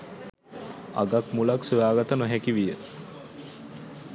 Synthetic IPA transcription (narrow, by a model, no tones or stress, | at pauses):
a̰ɡakmulaksiʋaːɡat̪ənəɦɛkiʋijə